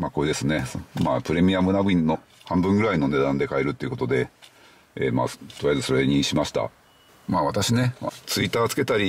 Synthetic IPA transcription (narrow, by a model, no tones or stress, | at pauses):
maːko̞ed̪e̞sɨne̞maːpɯ̟ɾe̞mʲiamɯ̟naɡɯ̟ĩnːo̞ | hãmbɯ̃ŋɡɯ̟ɾaino̞ne̞d̪ãnd̪e̞kaeɾɯ̟t̪ːe̞iɯ̟ko̞t̪o̞d̪e̞ | ḛːma̰ːt̪oijajazɨ̥so̞ɾe̞ɲ̟iɕimaɕi̥t̪a̰ | maːβat̪aɕine̞at͡sɨit̪ːaːt͡sɨ̥ke̞t̪aɾʲi